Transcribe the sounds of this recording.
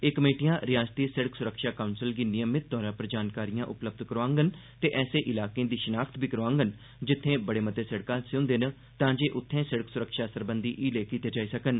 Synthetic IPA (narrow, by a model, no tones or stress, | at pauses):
eːkəmeːʈijãːɾɪjaːst̪iːsəɽəksʊɾəkʃaːkaunsɪlɡiːnɪjəmɪt̪̚d̪ɔːɾãːpəɾd͡ʒaːnkaːɾijãːʔʊpləb̚d̪kəɾoãːŋɡənt̪eːʔɛːseːʔɪlaːkẽːd̪iːʃənaːkʰt̪biːkəɾoãːŋɡən | d͡ʒɪt̪ʰːẽːbəɽeːmət̪eːsəɽkãːsʊ̃ːnd̪en | t̪ãːd͡ʒeːʔʊt̪ʰːẽːsəɽəksʊɾəkʃaːsəɾbənd̪iːʔiːleːkiːt̪eːd͡ʒaːiːsəkən